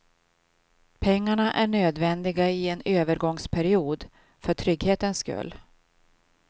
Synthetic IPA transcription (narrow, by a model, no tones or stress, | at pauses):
pʰɛŋːaɳaʔæɳøːd̪vɛnd̪ɪɡaɪɛnøːvəɾɡɔŋspʰæɾɪuːd̪ | fœʈʰɾʏɡheːt̪ənskɵ̰lː